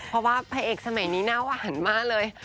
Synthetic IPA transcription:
pʰɔ˧˥waː˥˩pʰaː˧ʔeː˨˩k̚sa˧ma˨˩˦jniː˦˥naː˦˥˩wa˧˨ha˨˩˦nmaː˥˩k̚lɤː˧j

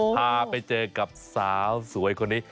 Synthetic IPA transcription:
aː˧pa˧jt͡ɕɤː˧ka˨˩p̚saː˩˦wsu˩˦əjkʰo˧nːiː˦˥

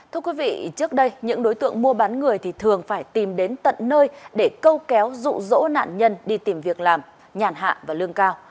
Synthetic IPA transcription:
tt̪ʰɨ˧əkwi˨˦vḭ˧˨t͡ɕɨ˦˥ək̚ɗə˧jɲɨ̰˧˥ŋɗo˨˦jt̪ɨ̰˧˨əŋmu˧əɓa˨˦nŋɨ˨˩əjt̪ʰi˨˩t̪ʰɨ˨˩əŋfaː˧˩jt̪i˨˩mɗe˨˦nt̪ə̰˧˨nːəː˧jɗe˧˩kə˧wkɛ˨˦wzṵ˧˨zo̰˧˥na̰ː˧˨nɲə˧nɗi˧t̪i˨˩mvi˨˩ək̚laː˨˩m | ɲaː˨˩nɦa̰ː˧˨vaː˨˩lɨ˧əŋkaː˧w

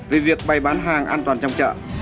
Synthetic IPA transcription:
ve˨˩vi˨˩ək̚ɓa˨˩jɓaː˨˦nɦaː˨˩ŋʔaː˧nt̪waː˨˩nt͡ɕɔ˧wŋ͡mt͡ɕə̰ː˧˨

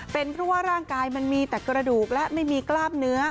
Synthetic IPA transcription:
pe˧npʰɾɔ˦˥waː˥˩ɾaː˥˩ŋkaː˧jma˧nmiː˧t̪ɛː˨˩kɾa˧duː˨˩k̚lɛ˦˥ʔma˥˩jmiː˧klaː˥˩mnɯ˦˥ɐ

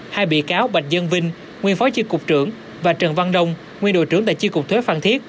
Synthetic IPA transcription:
haː˧jɓḭ˧˨kaː˨˦wɓa˨˩k̟̚zə˧nvï˧ŋ̟ | ŋwi˧ənfɔ˨˦t͡ɕi˧kʊ˨˩k͡p̚t͡ɕɨ˧˩əŋ | vaː˨˩t͡ɕə˨˩nva˧nɗə˧wŋ͡m | ŋi˧ənɗo̰˧˨jt͡ɕɨ˧˥əŋt̪a̰˧˥jt͡ɕi˧kʊ˨˩k͡p̚t̪ʰwe˨˦faː˧˩nt̪ʰi˦˥ət̚

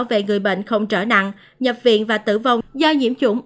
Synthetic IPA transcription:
wvḛ˧˨ŋɨ˨˩əjɓḛ˧˨jŋ̟xə˧wŋ͡mt͡ɕəː˧˩na̰˧˨ŋ | ɲə˨˩p̚vḭ˧˨ənvaː˨˩t̪ɨ̰˧˩va˨˩wzɔ˧ɲḭ˧˥əmt͡ɕʊ˧˦ŋ͡m

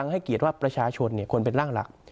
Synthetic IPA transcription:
ŋha˥˩jki˨˩ət̪̚waː˥˩pɾa˧t͡ɕʰaː˧t͡ɕʰo˧nːi˥˩kʰo˧npe˧nɾaː˥˩ŋla̰˨˩k̚

